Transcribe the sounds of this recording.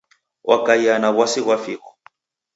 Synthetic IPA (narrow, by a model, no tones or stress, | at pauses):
wʔakaianaβwasiɣwafiːkɔ̥